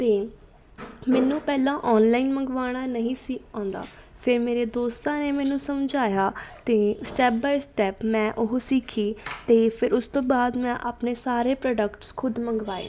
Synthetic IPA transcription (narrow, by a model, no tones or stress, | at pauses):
t̪eː | mɛːnũːpɛːlãːʔɔːnlaːinməŋɡʋaːɽ̃aːnəɦĩːsikʰãːnd̪a̰ː | pʰɪɾmeːɾeːd̪oːst̪ãːneːmɛ̃ːnũːsəmd͡ʒaːjaːt̪eːsʈɛːp̚baːisʈɛːpmɛ̃ːʔʊɦsiːkʰiːt̪eːpʰɪɾʊst̪õːbaːd̪mɛ̃ːʔaːpneːsaːɾeːpɾɔːɖəkʈskʰʊd̪məŋɡʋaːḛː